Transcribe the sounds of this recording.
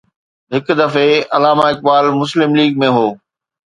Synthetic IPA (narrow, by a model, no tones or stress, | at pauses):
ɦɪk̆d̪ɐfeɐlaːmaːɪk̚baːlmʊs̬lɪmliːɡ̚mẽɦoː